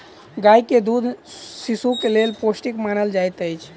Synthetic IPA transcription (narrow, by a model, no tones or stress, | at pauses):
ɡaiked̪ud̪ʱsisukelelposʈikmanəld͡ʒajt̪əjt͡ʃʰ